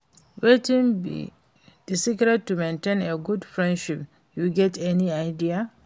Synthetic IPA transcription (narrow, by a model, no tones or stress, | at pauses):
wetĩŋbḭ | d̥isikɾɛd̚tːumẽntẽneɡudfɹɛ̃ndʃip | juɡɛtɛniaɪdia